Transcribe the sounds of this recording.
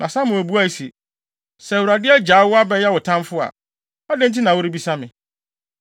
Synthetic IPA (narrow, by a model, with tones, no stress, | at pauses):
nʔã˨sã˦mʊ̃˨o˨bu˦a˦i˨si˨ | sɛ˨wɾa˨dɪ˦ɛ˦d͡ʑaː˨˦wʊ˦a˦bɛ˦jɛ˦wʊ˨tʰã˦mfʊ˦a̰˨ | ɔ˦dɛ̃˦n˦tʰi˦nã˨wʊ˦ɾi˦bi˦sa˦mɪ̃˨